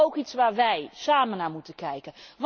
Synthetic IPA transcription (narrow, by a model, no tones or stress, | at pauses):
owkitsʋaːɹʋɛjsaːmənaːmutəkɛjkənʋ